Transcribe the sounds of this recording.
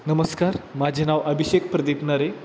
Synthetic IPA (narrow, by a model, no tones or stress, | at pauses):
nəməskaɾmad͡ʑʱenaʋəbʱiɕekpɾəd̪ipnaɾe